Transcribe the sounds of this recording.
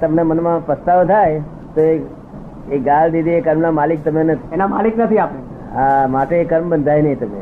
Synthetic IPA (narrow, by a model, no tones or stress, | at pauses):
t̪əmnemənmãpəst̪aʋt̪ʰaj | t̪oe | eɡald̪id̪ʱiekəɾmnamalik̚t̪əmenət̪ʰenamaliknət̪ʰiapne | amaʈeːkəɾmbənd̪ʱajnəĩt̪əmḛ